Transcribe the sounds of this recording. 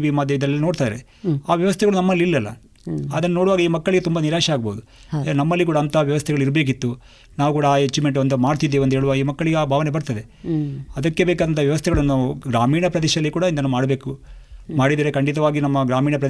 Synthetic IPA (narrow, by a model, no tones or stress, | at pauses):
ʋimɐd̪ʱjɐid̪ɐlːnoːɽt̪aːɾḛ | aːʋjɐʋɐst̪ʰɛɡɐɭunɐmːɐlːilːɐlːɐ̰ | ɐd̪ɐnːɐno̞ːɽuʋaːɡɐiːmɐkːɐɭiɡe̞t̪umbɐniɾaːʃɐaːɡboːud̪u | nɐmːɐlːik̬uːɽaɐːnt̪ʰɐʋjɐʋɐst̪ʰɛɡɐɭuiɾbe̞ːk̬it̪ːu | naːʋukuːɽɐaːet͡ʃːimeɳʈond̪umaːɽt̪id̪eond̪ɦeːɭuʋaːɡɐiːmɐkːɐɭiɡeaːbʱaːʋɐne̞bɐɾt̪ɐd̪e | ɐd̪ɐkːe̞beːkaːd̪ɐnt̪ʰɐʋjɐʋɐst̪ʰɛɡɐɭuɐnːuɡɾaːmiːɳɐpɾɐd̪eːʃɐɐlːikuːɽɐind̪ɐnːumaːɽbe̞ːkumaːɽid̪iːɾekɐɳɖit̪̬ɐʋaːɡinɐmːɐɡɾaːmiːɳɐpɾɐ